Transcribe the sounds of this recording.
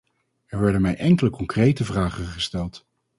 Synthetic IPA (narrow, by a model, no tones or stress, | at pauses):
ɛɹʋɛɹdənmɛjʔɛŋkələkɔŋkrejtəvraːχəχəstɛlˠt